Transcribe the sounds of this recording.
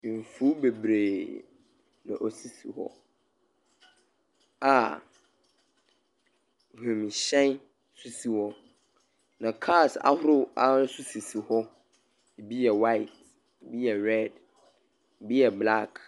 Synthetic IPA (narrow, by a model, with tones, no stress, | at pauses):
fu˦be˨bɾeː˨ | nã˨ʔɔ˨si˦sḭ˨hɔ̰˦ | a˨ | hũ˨m˨ɕɛ̃˦n˦ | su˦si˨wɔ˦ | nã˨kʰa˦˨sa̰˦hʊ˦ɾʊ˦a˨ʊ˦su˦si˨si˨hɔ˦ | i˨bi˦jɛ˨wa˦i˨t̚ | i˨bi˦jɛ˨ɾɛ˦˨d | bi˦jɛ˨bla˦˨k